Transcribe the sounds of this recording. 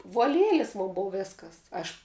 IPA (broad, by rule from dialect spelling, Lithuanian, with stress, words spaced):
ʋuɔ ˈlʲiɛlʲɪs ˈmoːn ˈboːw ˈʋʲeːskɐs ˈɐʃ